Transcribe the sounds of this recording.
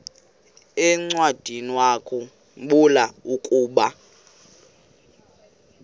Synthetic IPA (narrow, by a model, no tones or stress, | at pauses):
ɛŋ͡ǀwad̥ʱiniwakʰʼu | ɓulaukʼuːɓa